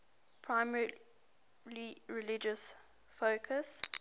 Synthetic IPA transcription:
pʰɹaɪmɛ | liɹɛlɪd͡ʒəs | foʊkʰəs

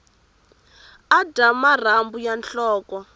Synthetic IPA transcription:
adamar̤ambujanɬɔːkɔ

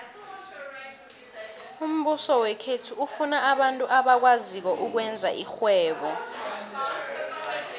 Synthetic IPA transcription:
um̩ɓusɔwɛkʰetʰuufunaʔaɓantʼuʔaɓak̬wazik̬ɔʔuk̬wɛnd͡zʱa̰ʔixwɛːɓɔ

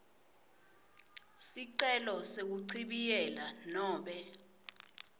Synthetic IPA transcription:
siǀɛlɔsek̬uǀʰiɓijɛlanɔːɓɛ

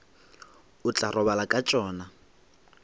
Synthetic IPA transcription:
ʊt͡ɬʼarʔɔβalakʼat͡ʃʼɔːna

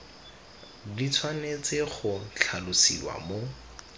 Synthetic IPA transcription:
dit͡sʰwanet͡seχʊt͡ɬʰalʊsḭwa̰mo

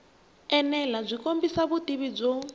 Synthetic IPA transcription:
ɛnɛlab͡ʐʷikombisaβudiβib͡ʐɔ

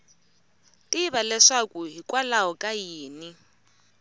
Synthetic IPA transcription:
tʼiβalɛʂakuɦikʼwalaɦɔkʼajiːni

